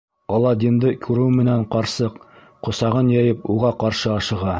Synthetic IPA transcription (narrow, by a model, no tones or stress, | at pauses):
ɒlˠːɑd̪ʲind̪ɤkʰʉɾɘwmɘ̆næɴqɑɾsɤq | qŏsɑʁɤnjɑjɤpuʁɑqɑɾʃɤɑʃɤ̆ʁɑ